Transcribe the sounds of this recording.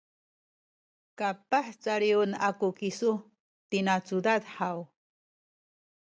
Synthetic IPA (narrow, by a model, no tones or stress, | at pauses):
kapaħt͡saɾiunakukisu | t̪inat͡sudadħaw